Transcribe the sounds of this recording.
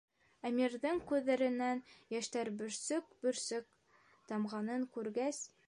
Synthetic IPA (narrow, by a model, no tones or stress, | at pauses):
æmiɾðɘŋkʉðːæɾɘ̆nːænjæʃt̪æɾbɵ̆ɾsɵk̚bɵ̆ɾsɵk̚ | t̪ɑmʁɑnɤŋkʉɾɡæs